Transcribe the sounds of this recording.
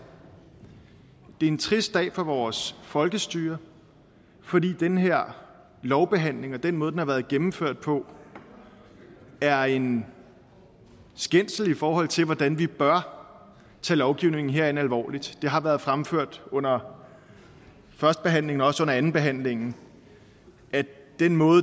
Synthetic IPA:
d̥e̝ɐe̝nt͡sʰʁisd̥d̥ɛ̰ːfɒʋɒːsfɒ̽lɡ̥əsd̥yːɐ | fɒ̽dḭːd̥enɦe̝ɐ̰ | lɒʊb̥e̝ɦæn̰le̝ŋɒ̽d̥enmɔðˠdenhɑʋæːɐð̞ˠɡ̥emm̩føɐ̰d̥̚pʰɒ̽ | æɐe̝n | sɡ̥en̰sl̩ifɒːɦɒ̽l̰t͡sʰe̝lʋɒd̥ænʋib̥ɶɐ | t͡sʰɛ̰ːlɒʊɡ̥iʊ̰ne̝ŋn̩ɦeɐenælʋɒ̰ːlid̥d̥e̝ɦɑ̈ʋæɐð̞̩ˠfʁamføɐ̰d̥ɔ̽n̰ɐ | fɶɐsd̥əb̥e̝ɦæn̰le̝ŋnɒ̽ɒ̽sɔ̽n̰ɐænn̩b̥e̝ɦæn̰le̝ŋn̩ | æd̥enmɔ̽ːð̩ˠ

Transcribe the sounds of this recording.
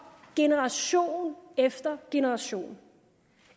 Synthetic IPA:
ɡ̥e̝nəʁɑ̈ɕo̝̰ːnefd̥ɐɡ̥e̝nəʁɑ̈ɕo̝̰ːn

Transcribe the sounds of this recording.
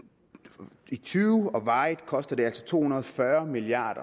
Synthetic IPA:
it͡sʰyːʊɒ̽ʋɑ̈ːɪðˠkʰɒ̽sd̥ɐd̥e̝æl̰sɒ̥̽t͡sʰo̝̰ːhunɐð̞ˠfɶɐmiliɑ̰̈ːɾ̥ɐ

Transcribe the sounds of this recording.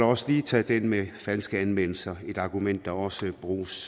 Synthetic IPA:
ɒ̽səliːt͡sʰɛːd̥enmefænsɡ̥əænʋen̰l̩sɐe̝d̥ɑ̈ɡ̥umen̰d̥ːɑ̈ɒ̽səb̥ʁṵːs

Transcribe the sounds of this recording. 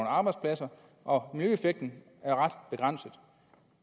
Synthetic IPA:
nɑ̈ːb̥ɑ̈ɪd̥spʰlæsɐ | ʔɒ̽nyefeɡ̥̚d̥n̩ | æɐʁad̥b̥e̝ɡ̥ʁɑn̰səð̩ˠ

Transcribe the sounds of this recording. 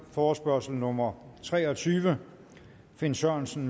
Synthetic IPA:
fɒːsb̥ɶɐsl̩nɔmɐt͡sʰʁɛːɒ̽t͡sʰyːʋə | fe̝nsɶɐnsn̩

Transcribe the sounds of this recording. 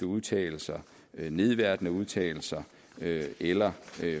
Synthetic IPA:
əuðˠt͡sʰɛ̰ːl̩sɐ | ne̝ð̞ˠʋæɐ̰d̥nəuð̞ˠt͡sʰɛ̰ːl̩sɐ | øelɐø

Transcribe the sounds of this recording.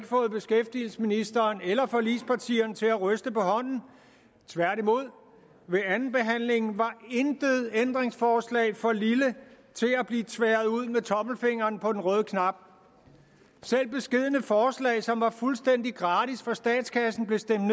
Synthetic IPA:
ɡ̥fɔ̽ːð̞̩ˠb̥e̝sɡ̥efd̥il̩sminisd̥ɐːnelɐfɒ̽lispʰɑ̈t͡sʰḭːɐnt͡sʰe̝læʁœsd̥əpɒ̽hɒ̽n̰n̩ | t͡sʰʋæɐɾ̥imo̝ð̞̰ˠ | ʋe̝ænn̩b̥e̝ɦæn̰le̝ŋn̩ʋɑ̈end̥eð̩ˠend̥ʁeŋsfɒːslɛ̰ːfɒ̽lilə | t͡sʰe̝læb̥liːt͡sʰʋeːɐðˠuð̰ˠmet͡sʰɒ̽m̥l̩fe̝ŋ̰ɐːnpʰɒ̽d̥enʁœːð̞ˠəkʰnɑ̈b̥̚ | sel̰b̥e̝sɡ̥e̝ð̰ˠənəfɒːslɛ̰ːɪsɒ̽mʋɑ̈fulsd̥en̰d̥iɡ̥ʁɑ̈ːdisfɒ̽sd̥ɛ̰ːd̥skʰæsn̩b̥le̝sd̥emd

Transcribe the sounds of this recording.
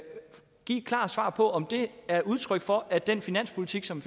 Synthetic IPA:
ɡ̥ḭːkʰlɑ̰̈ːsʋɑ̰̈ːpʰɒ̽ɒ̽md̥e̝æɐʔuð̞ˠt͡sʰʁœɡ̥fɒ̽ʔæd̥en̰finæn̰spʰulit͡sʰiɡ̥sɒ̽m

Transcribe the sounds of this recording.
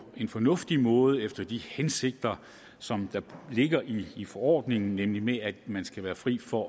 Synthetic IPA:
e̝nfɒ̽nɔ̽fd̥imɔ̽ːð̞ˠəefd̥ɐd̥ihense̝ɡ̥̚d̥ɐ | sɒ̽md̥ɑ̈le̝ɡ̥ɐʔiːfɒɒ̰ːd̥ne̝ŋn̩nemlimeæd̥mænsɡ̥æʋæːɐfʁḭːfɒ̽

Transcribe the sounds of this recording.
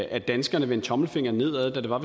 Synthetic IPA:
æd̥ænsɡ̥ɐnəʋent͡sʰɒ̽ml̩fe̝ŋ̰ɐne̝ð̞̰ˠæðˠd̥æd̥e̝ʋɑ̈ʋe

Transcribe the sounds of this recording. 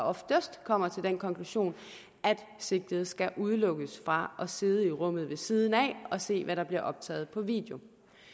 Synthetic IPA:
ɒ̽fd̥əsd̥kʰɒ̽m̰ɐt͡sʰe̝ld̥enkʰɒ̽ŋkʰluɕo̝̰ːn | ʔæd̥ | se̝ɡ̥̚d̥ð̞̩ˠsɡ̥æʔuð̞ˠlɔ̽ɡ̥əsfʁɑ̈ʔɒ̽se̝ð̞ˠəiʁɔ̽m̰ð̩ˠʋe̝siːð̞ˠn̩ɛ̰ɒ̽se̝̰ːʋæɾɑ̈b̥liɐʔɒ̽b̥̚t͡sʰɛ̰ːð̞̩ˠpʰɒ̽ʋḭːd̥ejo̝

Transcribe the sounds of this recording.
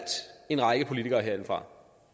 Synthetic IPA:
d̥e̝nʁɑ̈ɪɡ̥əpʰo̝lit͡sʰiɡ̥ɐːɦeɐe̝n̩fʁɑ̈

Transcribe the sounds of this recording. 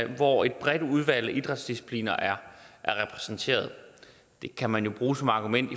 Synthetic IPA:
ʋɒe̝d̥̚b̥ʁɛd̥uð̞ˠʋæl̰ʔid̥ʁɑd̥sd̥isi̥pʰlḭːnɐʔæɐʔæɐʁɛpʰʁɛ̥sn̩t͡sʰe̝̰ːɐð̞ˠ | d̥e̝kʰæmænjo̝b̥ʁuːsɒ̽mɑ̈ɡ̥umen̰d̥i

